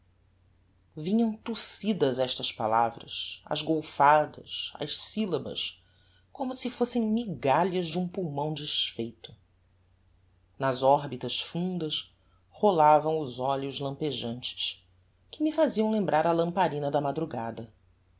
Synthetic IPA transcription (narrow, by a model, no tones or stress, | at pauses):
vĩɲɐ̃w̃t̪usid̪ɐzɛʃt̪ɐspalavɾɐ̰ʃɐ̰zɡowfad̪ɐʃɐ̰ʃsilɐbɐ̰ʃ | kõmʊsɪfosẽj̃miɡaʎɐʒd͡ʒɪũpuwmɐ̃w̃d͡ʒiʃfejt̪ʊ̥ | nɐzɔɦbit̪ɐʃfũnd̪ɐʃ | holavɐ̃w̃ʊzɔʎʊzlɐ̃mpeʒɐ̃nt͡ʃɪ̥s | kɪmɪfaziɐ̃w̃lẽmbɾaɾɐlɐ̃mpaɾĩnɐd̪ɐmad̪ɾuɡad̪ɐ